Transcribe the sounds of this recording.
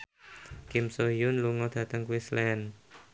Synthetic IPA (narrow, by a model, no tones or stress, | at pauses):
kɪmsojʊnluŋɔd̪̥ä̤t̪əŋkuislɛn